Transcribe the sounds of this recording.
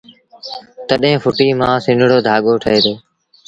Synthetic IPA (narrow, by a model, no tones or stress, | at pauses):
t̪əɗɦẽːfʰʊʈiːmãːsɪ̃nɽoːd̪ʱaːɠoːʈʰəeːd̪oː